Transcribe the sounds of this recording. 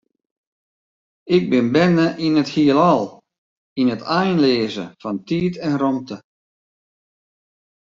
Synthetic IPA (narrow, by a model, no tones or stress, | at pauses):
ɪɡ̚bɪnbɛnəʔinəthiəlˠɔlˠ | inətʰajnleːzə̰fɔntiːtɛnrɔmtə